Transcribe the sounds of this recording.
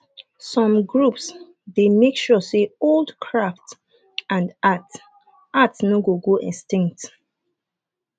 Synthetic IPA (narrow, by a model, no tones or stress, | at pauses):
sɔ̃mɡɹups | demekʃuɔseoldkʰɹaft | ãndat | atsnoɡoɡoʔḭ̃nstĩŋk̚t